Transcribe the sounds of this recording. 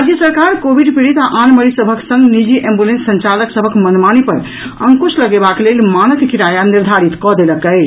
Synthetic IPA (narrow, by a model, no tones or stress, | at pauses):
ad͡ʒjəsəɾkaɾkobʱiɖpiɾit̪aʔanməɾisəbʱəksə̃ŋɡnid͡ʒiʔẽmbulẽnsːənt͡ʃaləksəbʱəkmənmanipəɾ | əŋkusləɡebaklelmanək̪kiɾajaniɾd̪ʱaɾit̪kɔd̪eləkət͡ʃʰ